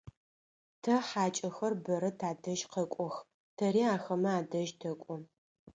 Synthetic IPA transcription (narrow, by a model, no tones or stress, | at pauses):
tʰɐħaːt͡ʃʼɐxɐrbɐɾɐtʰaːdɐʒqɐkʷʼɔx | tʰɐɾiːaːxɐmɐaːdɐʒtʰɐkʷʼɔ